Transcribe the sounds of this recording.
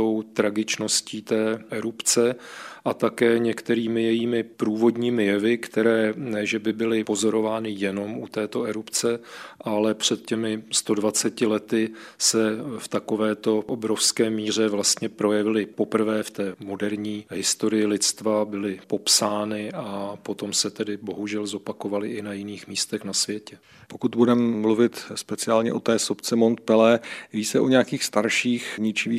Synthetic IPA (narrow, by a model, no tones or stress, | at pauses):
o̞wt̪ɾaɡɪt͡ʃno̞sciːt̪ɛːʔɛɾupt͡sɛʔat̪akɛːɲɛkt̪ɛɾiːmɪjɛjiːmɪpɾuːvo̞dɲiːmɪjɛvɪkt̪ɛɾɛːnɛʒɛbɪbɪlɪpo̞zo̞ɾo̞vaːnɪjɛno̞mʔut̪ɛːt̪o̞ɛɾupt͡sɛʔalɛpr̝̥ɛt̪̚cɛmɪst̪o̞dvat͡sɛcɪlɛt̪ɪsɛft̪ako̞vɛːt̪o̞ʔobɾo̞fskɛːmiːr̝ɛvlast̪ɲɛpɾo̞jɛvɪlɪpo̞pr̩vɛːft̪ɛːmo̞dɛɾɲiːɦɪst̪o̞ɾɪjɪlɪt͡st̪vabɪlɪpo̞psaːnɪapo̞t̪o̞msɛt̪ɛdɪbo̞ɦuʒɛlzo̞pakovalɪʔɪnajɪniːxmiːst̪ɛxnasvjɛcɛ | po̞kut̪̚budɛmɛmluvɪt̪spɛt͡sɪaːlɲɛ̰ʔo̞t̪ɛːsopt͡sɛmo̞nt̪̚pɛlɛviːt͡sɛʔo̞ɲɛakiːxst̪aɾʃiːxɲɪt͡ʃɪviː